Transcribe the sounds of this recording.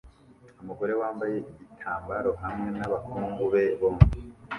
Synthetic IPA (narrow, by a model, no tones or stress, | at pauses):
umuɡo̞ɾe̞waːmbaje̞ʔiɟitʰaːmbaɾo̞hamŋe̞naβakʰuːŋɡuβe̞βomi